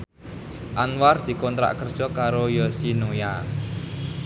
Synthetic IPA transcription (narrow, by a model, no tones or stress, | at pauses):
ʔanward̪̥i̤kɔnt̪ɾa̰ʔkərd̥ʒ̥ɔ̤kaɾojɔsinoja